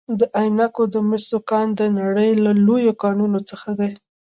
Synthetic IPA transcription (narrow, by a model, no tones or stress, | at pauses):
d̪əʔajnakod̪əmɪsokɑnd̪ənaɽəjlalojokɑnunot͡səxad̪aj